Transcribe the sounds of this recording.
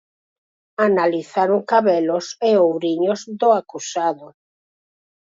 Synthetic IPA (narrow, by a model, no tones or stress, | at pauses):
analiθaɾoŋkaβɛloseowɾiɲozðoakusaðʊ